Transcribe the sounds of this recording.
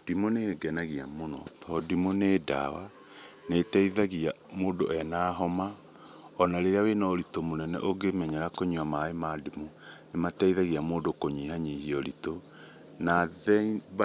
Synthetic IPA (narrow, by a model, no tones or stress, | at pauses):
d̥imoneɡɛnaɣiamonɔ̰tʰɔdimoneda̰wa | netɛiðaɣia | moːdoʔɛnaɦɔma | ɔnaɾeɾeawenaoɾitomonɛnɛ̰ʔoɡemɛɲɛɾakoɲuamaemadimonematɛiðaɣiamoːndokoɲihaɲihioɾito | naðɛiβ